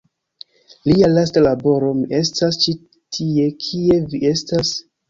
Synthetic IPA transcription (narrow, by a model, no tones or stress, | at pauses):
lialastalabo̞ɾo̞mie̞stast͡ʃi | tʰie̞kʰie̞vie̞stas